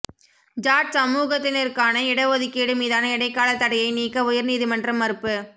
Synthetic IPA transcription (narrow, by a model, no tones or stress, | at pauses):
d͡ʒaːʈsɐmuːɣɐt̪ːɪnɪɾkaːnɐɪɽɐʋɐðɪkːeːɽɯmiːðaːnɐɪɽɐɪkːaːlɐt̪ːɐɽɐjɐɪniːkːɐʊjɐɾniːðimɐndrɐmːɐɾɯpːɯ